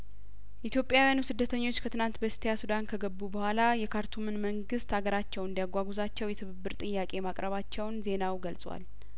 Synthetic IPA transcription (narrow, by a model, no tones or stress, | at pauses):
ʔit̪ʰjo̞pʼjawijanusɨd̪ːət̪ʰəɲːo̞t͡ʃːkʰət̪ɨnant̪bəst̪ʰijasud̪ankʰəɡəbːubəhʷalajɛkʰaɾt̪ʰumɨnməŋɡɨst̪aɡəɾat͡ʃːɛwɨnd̪ijaɡʷaɡuzat͡ʃːɛwjɛt̪ʰɨβɨbːɨɾt̪ʼɨjːakʼe̞makʼɾəβat͡ʃːɛwnze̞nawɡəlsʼwa̰l